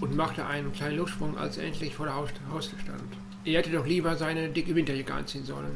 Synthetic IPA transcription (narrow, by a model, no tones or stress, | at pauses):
ʔʊntmaχtəʔa̰ɪnənkl̥aɪnənlʊftʃpʁ̥ʊŋʔa̰lsʔɛ̰ntʰlɪçfoːɐɾeɐhaʊstəʃta̰nt | ʔeːɐhɛtədɔχliːbɐzaɪnədɪkəvɪntɐjaɡəʔa̰nt͡siːənzɔ̰lən